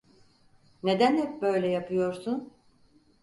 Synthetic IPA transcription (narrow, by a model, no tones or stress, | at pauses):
ne̞d̪ænhɛp̚bø̞jlʲɛjapʰɯjo̞ɾsun